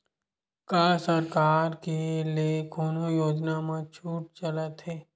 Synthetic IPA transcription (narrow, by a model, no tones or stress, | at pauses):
kaːsəɾkaːɾkeliekoːnojoːd͡ʒnamãt͡ʃʰuːʈ̚t͡ʃələt̪ɦeː